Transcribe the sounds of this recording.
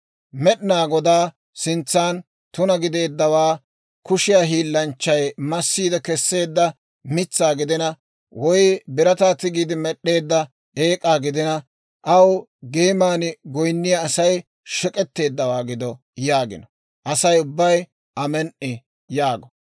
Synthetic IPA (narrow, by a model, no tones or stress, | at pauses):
mɛɗnaːɡɔd̪aː | sɪnt͡sːaːn | t̪ʊnɐɡɪd̪e̞ːd̪ːɐwaː | kʊʃɪjaːɦiːlːɐnt͡ʃːɐjmɐsːiːd̪ɛkɛsːe̞ːd̪ːɐ | mɪt͡sːaːɡɪd̪ɪnɐ | wɔjbɪɾɐt̪aːt̪ɪɡiːd̪ɪmɛɗːe̞ːd̪ːɐ | eːkʼaːɡɪd̪ɪnɐ | ʔɐwɡeːmaːnɪɡɔjnːɪjɐːsɐj | ʃɛkʼɛt̪ːe̞ːd̪ːɐwaːɡɪd̪ɔ | jaːɡɪ̰nɔ | ʔɐsɐjʊbːɐj | ʔɐmɛnʔɪ | jaːɡɔ̥